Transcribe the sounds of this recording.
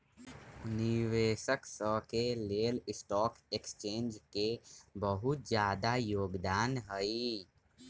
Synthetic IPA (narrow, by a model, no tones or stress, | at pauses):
ʊniʋeːʃəksəkeleːlɪsʈɔːkekst͡ʃẽːnd͡ʒkebəɦʊt̪d͡ʒjaːd̪ajoːɡd̪aːnɦəi